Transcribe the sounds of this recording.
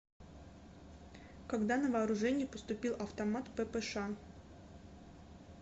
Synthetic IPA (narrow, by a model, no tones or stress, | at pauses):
kɐɡd̪anəvɐːɾʊʐɛnʲɪjɪpəst̪ʊpʲilˠʔɐft̪ɐmat̪pɛpɛʂa